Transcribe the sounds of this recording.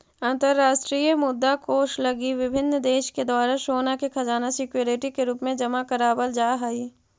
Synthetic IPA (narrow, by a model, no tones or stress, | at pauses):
ãːnt̪əɾːaːʃʈɾiːjəmʊd̪ːakoːʃlɐɡiʋɪbʱɪnːd̪eːʃked̪aːɾəʃoːnakekʰɐd͡ʒaːnasɪkjoːɾɪʈikeɾuːpmẽd͡ʒɐmakəɾaːbəld͡ʒaːɦaiː